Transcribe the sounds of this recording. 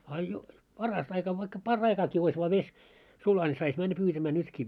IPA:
ɑ jo pɑrɑst ɑikɑ ʋɑikːɑ pɑrːɑikɑːki ois ʋɑː ʋes sulɑ nʲi sɑis mænːæ pyːtæmæː nytki

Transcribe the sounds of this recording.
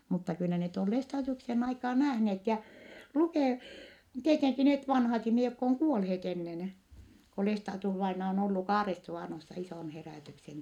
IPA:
mutːɑ kylːæ net on lestɑːdiuksen ɑikɑːn næhneːt jæ lukeˑ tieteŋki net ʋɑnhɑt ihmihe jokː oŋ kuolheːt enːen ko lestɑːdiusʋɑinɑ on olːu kɑːresːuʋɑˑnosːɑ isoˑn heræˑtyksen

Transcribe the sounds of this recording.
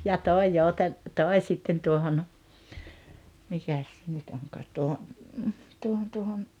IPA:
jɑ toˑi jouten toˑi̞ sitːen tuohon mikæs se nyt oŋkɑːt tuoho tuohon tuohon

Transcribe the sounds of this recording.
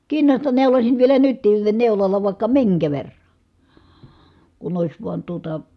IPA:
kinːɑstɑ neulosin ʋielæ nytˑiːn neulɑlːɑ ʋɑˑi̯kːɑ miŋkæ ʋerːɑ̥ kun oˑis ʋuɑn tuotɑ

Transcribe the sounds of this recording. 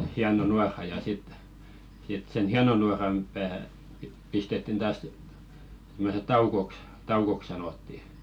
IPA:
hiɑno nuɑrɑ jɑ sit sit sen hiɑno nuɑrɑm pæː pi pistetːin tɑːs simːose tɑukoks tɑukok sɑnotːi

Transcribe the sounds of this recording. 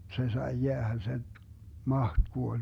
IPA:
se sɑi jeæhæ sen̞ mɑht kuolʲ

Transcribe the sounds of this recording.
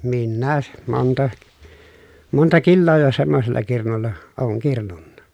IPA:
minːæː montɑ montɑ kilːoː jo semːoselːɑ kirnulːɑ oːŋ kirnunːɑ

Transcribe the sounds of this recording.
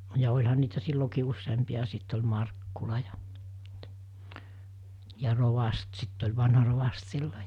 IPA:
jɑ olʲhɑn niːtæ silːokiː usːeːmpiɑ ɑ sit olʲ mɑrkːulɑ jɑ̥ jɑ roʋɑst sitː olʲ ʋɑnhɑ roʋɑst silːo

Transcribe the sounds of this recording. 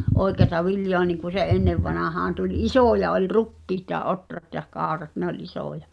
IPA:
ʔoi̞keɑtɑ ʋiljoɑ niŋku se ʔenːeʋːɑnɑhɑːn tulʲ isoˑjɑ olʲ rukːiːt jɑ ʔotrɑt jɑ kɑˑorɑt nĕ olʲ isoˑjɑ

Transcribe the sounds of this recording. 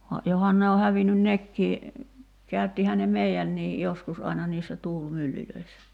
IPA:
ʋɑ johɑn ne o hæʋinyn nekːiː kæytːihæ ne meiænːiːj joskus ɑinɑ niːsːæ tuːlmylːyløisːæ

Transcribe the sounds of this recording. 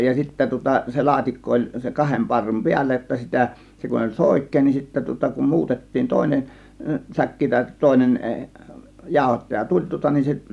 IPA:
jɑ sitːæ tŭŏtɑ se lɑːtikːo olʲ se kɑhem pɑrːum piælːæ jotːɑ sitæˑ se kun olʲ soˑikˑeː nin sitːæ tŭŏtɑ kum muːtetːiːn toˑe̝nen sækːi tɑˑe̝t toˑe̝nen jɑˑo̝hotːɑjɑ tulʲ tŭŏtɑ nin se

